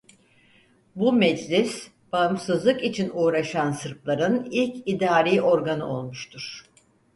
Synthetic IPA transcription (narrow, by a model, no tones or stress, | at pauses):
bumɛd͡ʒlʲis | b̥aɯmsɯzlˠɯkit͡ʃʰinuːɾaʃansɯɾplˠaɾɯnilʲcid̪aːɾiːʔo̞ɾɡanɯo̞lˠmuʃt̪ʰuɾ̥